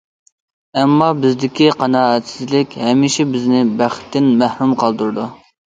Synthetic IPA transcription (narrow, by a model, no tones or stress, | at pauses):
ɛmːɑbɪzd̪ɪkʲiqʰɑnɑːɛt̪sɪzlɪkʲhɛmːɪʃɪbɪznɪbæχɪ̥t̪ːɪnmæhɾumqʰɑlˠd̪uɾɨd̪u